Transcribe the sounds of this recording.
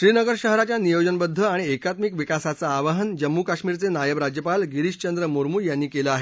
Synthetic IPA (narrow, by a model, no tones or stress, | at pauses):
ɕɾiːnəɡəɾɕəɦɾat͡ɕjanijod͡ʑənbəd̪ʱːəaɽ̃iekat̪mikʋikasat͡saːʋaɦənd͡ʑəmːukaɕmiːɾt͡senajəʋɾad͡ʑjəpalɡiɾiɕt͡ɕənd̪ɾəmoɾmuːjanːiːkelaaɦe